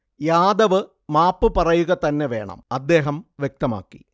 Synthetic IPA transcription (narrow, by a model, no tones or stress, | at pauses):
jaːd̪ɐʋɨ | maːpːɨpɐrɐjuɣɐt̪ɐnːe̞ʋe̞̰ːɳɐ̰mɐd̪ːe̞ːɦɐmʋjek̚t̪ɐma̰ːkːḭ